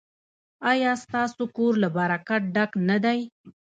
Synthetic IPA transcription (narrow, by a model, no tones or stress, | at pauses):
ɑjɑst̪ɑsokoɾlabaɾakaʈ̚ɖaknad̪aj